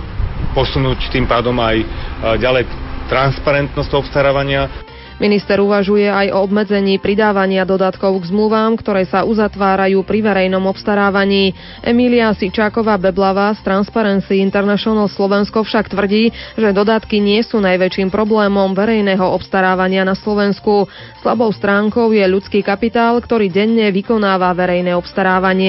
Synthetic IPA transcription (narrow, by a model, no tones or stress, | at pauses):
pɔsunuːct̪impaːd̪ɔmajɟalɛjt̪ɾanspaɾɛnt̪nɔstɔpst̪aɾaːʋaɲɪa | minist̪ɛɾuʋaʒujɛajʔɔ̰ɔbmɛd͡zɛɲiːpɾid̪aːʋaɲɪad̪ɔd̪at̪kɔʊɡzmluʋaːmkt̪ɔɾɛːsaʔuzat̪ʋaːɾajuːpɾiʋɛɾɛjnɔmɔpst̪aɾaːʋaɲiː | ʔɛ̰miliasit͡ʃaːkɔʋaːbɛblaʋaːst̪ɾanspaɾɛnt͡siint̪ɛɾnaʃɔnalslɔʋɛnskɔfʃakt̪ʋr̩ɟiːʒɛd̪ɔd̪at̪kiɲɪɛsuːnajʋɛt͡ʃiːmpɾɔblɛːmɔmʋɛɾɛjnɛɦɔɔpst̪aɾaːʋaɲɪanaslɔʋɛnsku | sla̰bɔʊst̪ɾaːŋkɔʊjɛʎut͡skiːkapit̪aːlkt̪ɔɾiːɟɛɲːɛʋikɔnaːʋaʋɛɾɛjnɛɔpst̪aɾaːʋaɲɪɛ